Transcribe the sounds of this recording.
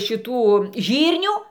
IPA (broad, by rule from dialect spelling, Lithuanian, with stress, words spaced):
ʃʲɪˈtuː ˈʒʲiːrʲnʲuː